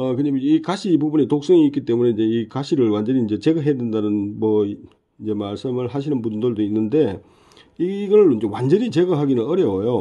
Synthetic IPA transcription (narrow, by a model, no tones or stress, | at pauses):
ʌkɯɲamikaɕʰiːpubunetok̚s͈ʌŋiːk͈it͈e̞mune̞ind͡ʑe̞ikaɕʰiɾɯɭwand͡ʑʌniːnd͡ʑe̞t͡ɕeɡɯɦedwendanɯnmwʌ | ind͡ʑe̞maɭs͈ɯmɯɭɦaɕ̬ʰinɯnpundɯɭdoinːɯnde̞ | iɡʌnːond͡ʑewand͡ʑʌɲit͡ɕe̞ɡɯɦaɡinɯnʌɾjʌojo